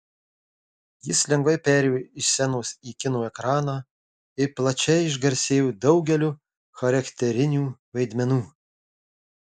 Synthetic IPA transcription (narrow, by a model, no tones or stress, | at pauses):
jɪslʲɛŋɡʋɐɪpʲæːɾʲɛjoːɪʃsʲɛnoːsiːkʲɪnoːɛkɾɑːnɑː | ɪplˠɐt͡ʃʲɛɪɪʒɡɐɾʲsʲeːjoːd̪ɒʊɡʲɛlʲu | xɐɾɐkʲt̪ʲɛɾʲɪnʲuːʋɐɪd̪ʲmʲɛnuː